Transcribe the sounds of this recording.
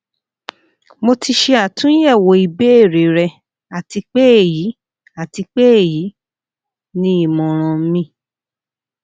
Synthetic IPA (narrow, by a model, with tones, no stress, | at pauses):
mo˧ti˧ʃe˧a˨tũ˨˦jɛ˦˨wo˨˦i˨˧be˦e˦˨ɾe˨˦ɾɛ˧ | a˨ti˧k͡pe˦e˦˨ji˨˦ | a˨ti˧k͡pe˦e˦˨ji˨˦ | nĩ˧˦i˦˨mɔ̃˨ɾ̃ɔ̃˧˨m̩˦mĩ˧˨